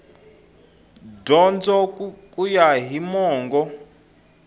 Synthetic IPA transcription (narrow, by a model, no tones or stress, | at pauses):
dɔnd͡zɔkʼujaɦimɔːŋɡɔ